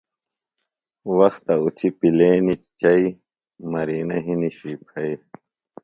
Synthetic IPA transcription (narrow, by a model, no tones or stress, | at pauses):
wɐxt̪ɐut̪ʰipileːnit͡ɕɐi | mɐɾiːnɐɦiniɕiːpʰɐi